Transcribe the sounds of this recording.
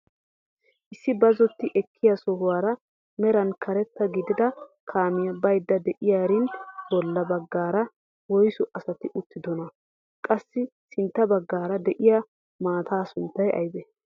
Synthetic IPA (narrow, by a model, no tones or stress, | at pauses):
ʔɪsːɪbɐzɔt̪ːɪʔɛkʰːɪjɐsɔhʊwaːɾɐ | mɛɾɐnkʰɐɾɛt̪ːɐɡɪd̪ɪd̪ɐkʰaːmɪjɐbɐjd̪ːɐd̪ɛʔɪjaːɾɪnbɔlːɐbɐɡːaːɾɐ | wɔjsʊʔɐsɐt̪ɪʔʊt̪ːɪd̪ɔnɐ | kʼɐsːɪsɪnt̪ːɐbɐɡːaːɾɐd̪ɛʔɪja | maːt̪ʰaːsʊnt̪ːɐjʔɐ̰jbɛ